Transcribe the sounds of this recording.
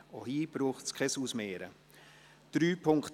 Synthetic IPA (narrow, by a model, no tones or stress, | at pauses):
ohiːb̥ɾuːχtskʰɛsuːsmeːɾə̰ | d̥ɾyːpʰʊŋkt